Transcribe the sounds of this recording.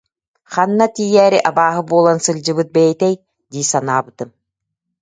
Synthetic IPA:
χanːat̪iːjɛːɾiʔabaːɦɯbuɔlˠansɯlʲd͡ʑɯbɯt̪̚bɛjɛt̪ɛj | d̪iːsanaːbɯt̪ɯm

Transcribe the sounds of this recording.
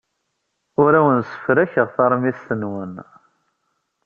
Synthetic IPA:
ʊɾæwənsə̥fɾæçəʁθɑɾˤmist̪ənwən

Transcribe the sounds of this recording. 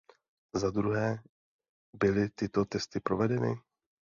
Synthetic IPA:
zad̪ɾuɦɛː | bɪlɪt̪ɪt̪o̞t̪ɛst̪ɪpɾo̞vɛdɛnɪ̰

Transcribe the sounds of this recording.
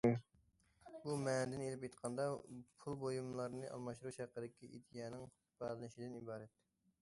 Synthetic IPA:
bumɛnd̪ɪnelɪpjet̪qʰɑnd̪ɑpʰulˠbojumlˠɑɾnɨʔɑ̰lˠmɑʃt̪ɾuʃæqːəd̪ɪkʲiʔid̪ijɛːnɪŋ | bælˠɨnɪʃid̪ɪnibɑːɾɛt̪

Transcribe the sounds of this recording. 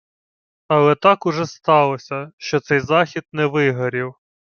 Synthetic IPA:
ɐlˠɛt̪ɑkʊʒɛst̪ɑlˠɔsʲɐʃt͡ʃɔt̪sɛjzɑxʲid̪̚nɛʋɪɦɐɾʲiw

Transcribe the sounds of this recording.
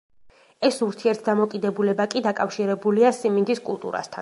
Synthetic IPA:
ɛsuɾt̪ʰiɛɾt̪̚ʰd̪amɔkʼid̪ɛbulɛbakʼid̪akʼafʃiɾɛbuliasimind̪iskʼṵlˠt̪ʼṵɾa̰st̪ʰa̰n

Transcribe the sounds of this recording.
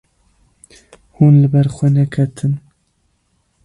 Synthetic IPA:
huːnlɨbɛɾxʷɛnɛkʰɛt̪ʰɨn

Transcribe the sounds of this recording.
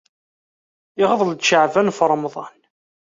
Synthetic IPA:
ɪʁəðˤld̪ʃəʕvænfəɾˤmðˤɑn

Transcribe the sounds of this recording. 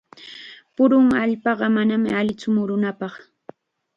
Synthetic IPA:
pʊɾʊŋaʎpɑɢɑmanamɪ̰aʎɪt͡sʊmʊɾʊnapɑχ

